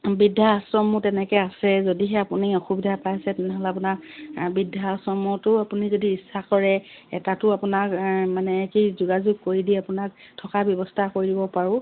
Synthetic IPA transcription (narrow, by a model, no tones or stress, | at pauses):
bidʱaasɹɔmʊtɛnɛkɛasɛzodiɦɛapunioxubidʱapajasɛtɛnɛɦɔlɛap̬ʊnakbidʱːasɔmɔtʊapunizodiːsakɔɹɛɛ̰tatʊapʊnakmanɛkizuɡazuɡ̚koɹidiapʊnak̚tʰɔkabjɔbɔstʰakoɹidibɔpaɹʊ̃